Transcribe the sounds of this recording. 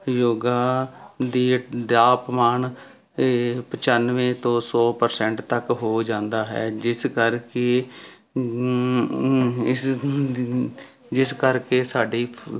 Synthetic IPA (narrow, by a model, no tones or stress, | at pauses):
joːɡaːd̪iːd̪aːpmaːɳ | pət͡ʃaːnʋẽːt̪õːsɔːpəɾsɛ̃ɳʈt̪əkɦoːd͡ʒãːnd̪aːɦɛ̰ːd͡ʒɪskəɾkeː | d͡ʒɪskəɾkeːsaːɖiː